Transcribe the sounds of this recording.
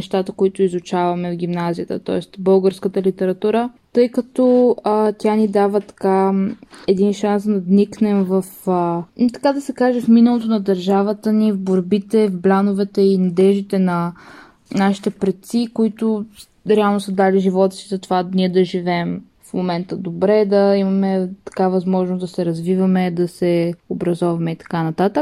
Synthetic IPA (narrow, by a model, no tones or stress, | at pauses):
ɛʃt̪at̪əkoit̪ʊizʊt͡ʃavɐmɛvɡʲimnazijət̪ət̪ɔ̰ɛst̪bɤlˠɡəɾskət̪əlit̪ɛɾɐt̪uɾət̪ɤjkət̪ɔət̪ʲanid̪avət̪ɐ̥ka | ɛd̪inʃansd̪ɐvniknɛmvɐfət̪ɐ̥kad̪ɐsɛkaʒɛfminəlˠot̪onɐd̪ɐɾʒavət̪ənivboɾbit̪ɛvblʲanovɛt̪ɛinɐd̪ɛʒd̪it̪ɛnɐ | naʃi̥t̪ɛpɾɛt̪sikoit̪ʊ | ɾɛalˠnosəd̪aliʒivɔt̪əsizɐt̪ovaniɛd̪ɐʒivɛm | fmomɛnt̪əd̪obɾɛd̪ɐimɐmɛt̪ɐ̥kavɐzmɔʒnosd̪ɐsɛɾɐzvivɐmɛd̪ɐsɛobɾɐzɔvɐmɛit̪ɐ̥kanɐt̪at̪ək̚